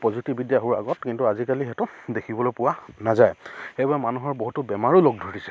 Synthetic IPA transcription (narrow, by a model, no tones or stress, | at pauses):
pɔzitibidjaɦuɹa̰ɡɔtkintuazikalixɛtʊdekʰibɔlojpʊwanazajxejbaɛmanuɦɔɹboɦutʊbɛmaɹuloɡ̚dʱoɹisɛ̥